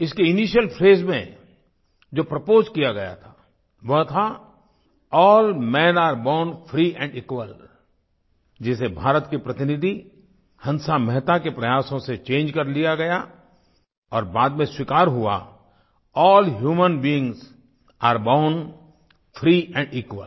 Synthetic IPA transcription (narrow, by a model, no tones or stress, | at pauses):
ɪskeɪniːʃjəlpʰɾeːzmḛ̃ | d͡ʒoːpɾɐpoːzkijaɡɐja̰t̪ʰḁː | ʋɐɦt̪ʰa | ɔːlmɛ̃ːnaːɾbãʊ̃ɳɖfɾiʔɛ̃ːɳɖɪkwəl | d͡ʒɪsebʱaːɾət̪kipɾɐt̪ɪnɪd̪ʱi | hɐ̃nsamɛɦt̪akepɾɐjaːsõset͡ʃẽːnd͡ʒkɐɾlijaɡɐja | ɔːɾbaːd̪mẽswikaːɾɦua̰ | ɔːlɦjuːmənbiɪ̃ŋz | aːɾbãʊɳɖ | fʰɾiːɛ̃ːɳɖiːkwə̰l